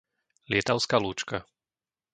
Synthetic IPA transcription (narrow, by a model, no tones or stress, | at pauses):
lɪɛt̪aʊskaːluːt͡ʃka